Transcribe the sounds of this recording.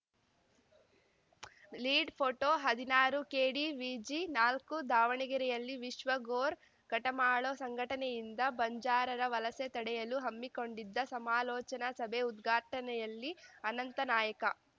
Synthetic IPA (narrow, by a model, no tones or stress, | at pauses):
liːɖpʰoʈoːɦɐd̪inaːɾukeːɽiʋiːd͡ʒinaːlkud̪ʱaːʋɐɳiɡɐɾɛjɐlːiʋiʃʋɐɡoːɾ | ɡ̥ɐʈɐmaːɭoːsɐŋɡʱɐʈɐnejind̪ɐbɐɲd͡ʒaːɾɐɾɐʋɐlɐset̪ɐɽɛjɐluɦɐmːiko̞ɳɖid̪ːɐsɐmaːlɔːt͡ʃɐnɐsɐbʱeud̪ɡʱaːʈɐnɛjɐlːiɐnɐnt̪ɐnaːjɐkɐ